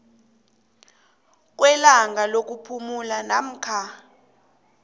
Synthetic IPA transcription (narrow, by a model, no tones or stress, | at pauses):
k̬wɛlaŋɡʱalok̬upʰumulanam̩ːkʰa